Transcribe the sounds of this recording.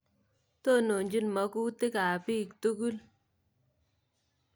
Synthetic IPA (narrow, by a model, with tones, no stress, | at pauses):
to˦˨no˨nd͡ʒi˦n˨ma˨˦ku˦te˦ka˨pi˦˨kto˦ku˦l